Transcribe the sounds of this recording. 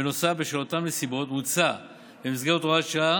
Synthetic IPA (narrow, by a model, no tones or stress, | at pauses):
eno̞safbeʃelot̪amlesibʁo̞t̪mut͡sa | bemisɡeʁot̪oaʃa